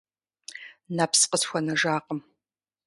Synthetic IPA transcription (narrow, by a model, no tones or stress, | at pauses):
napsqəsxʷɔnɐʒaːqəm